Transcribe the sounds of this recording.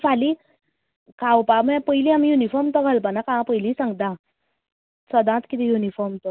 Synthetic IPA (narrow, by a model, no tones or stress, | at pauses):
fʰali | kãwpaməpəjliamijunifɔɾmt̪ɔɡʱalpanakããpəjlisãŋɡt̪ã | səd̪ãt̪kit̪ʰijunifɔɾmt̪ɔ